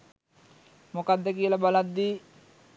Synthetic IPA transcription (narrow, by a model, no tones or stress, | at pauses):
mokad̪ːekilabalad̪ːi